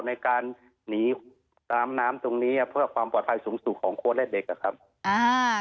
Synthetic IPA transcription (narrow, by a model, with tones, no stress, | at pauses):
na˧˩jkaː˧nː | iː˩˦ | t̪aː˨˧mnaː˦˥mt̪o˧ŋniː˦˧˥ʔa˧˩pʰɯː˥˩əkʰwaː˧mpɔː˨˩t̪̚pʰa˧jsuː˩˦ŋsu˨˩kʰɔː˩˦ŋkʰu˧˥ənlɛ˧˥t̪̚de˨˦k̚ːa˧˩kʰa˦˥p̚ | ʔaː˧